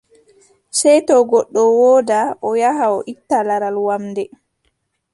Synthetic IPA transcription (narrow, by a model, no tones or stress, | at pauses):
sɛjtɔɡɔɗːɔwɔːdaʔɔjahaɔʔitːalaɾalwamdɛ